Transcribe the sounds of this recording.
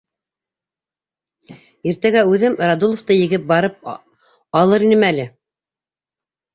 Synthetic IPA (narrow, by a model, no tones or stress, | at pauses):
iɾt̪æɡæʉðɘmɾad̪ulˠŏft̪ɤjɘ̆ɡɘp̚bɑɾɤp̚ | ɑlˠɤɾinɘmælɘ